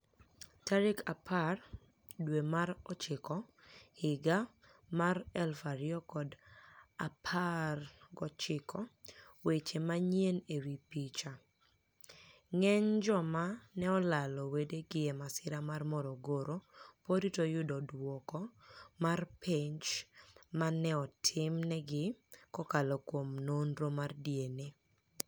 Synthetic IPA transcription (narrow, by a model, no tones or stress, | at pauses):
taɾɪkʰapʰar | dwemaɾɔt͡ʃɪkɔ | hɪɡa | maɾɛlfaɾɪɔkɔdapʰarɡɔt͡ʃɪkʰɔwet͡ʃemaɲjenewipit͡ʃa | ŋɛɲd͡ʒɔmanɛɔlalɔwedeɡɪɛmasɪɾamarmɔɾɔɡoɾopoditojʊdɔdwɔkɔmarpeɲt͡ʃmanɛɔtʰɪmnɛɡɪkɔkalokwomnonɾomardjene